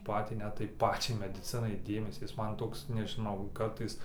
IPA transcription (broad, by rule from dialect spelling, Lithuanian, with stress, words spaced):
ˈpɑːtʲiː ˈnʲɛt tɐɪ ˈpɑːt͡ʃʲɛɪ mʲɛdʲɪˈt͡sʲɪnɐɪ ˈdʲeːmʲɛsʲiː ˈjɪs ˈmɐn ˈtoːks nʲɛʒʲɪˈnɐʊ ˈkɐrtɐɪs